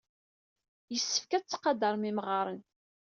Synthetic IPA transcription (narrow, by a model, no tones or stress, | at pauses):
jəsːə̥fkæt͡st͡sːqːɑd̪əɾˤmimʁɑɾˤən